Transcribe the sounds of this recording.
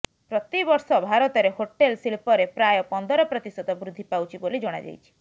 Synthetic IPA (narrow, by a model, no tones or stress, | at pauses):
pɾɔt̪ibɔɾsɔbʱaɾɔt̪ɔɾehoʈelsilpɔɾepɾajɔpɔnd̪ɔɾɔpɾɔt̪isɔd̪ɔbɾud̪ʱːipawt͡ʃʰibolid͡ʒɔɽ̃a̰d͡ʒa̰jt͡ʃʰi̥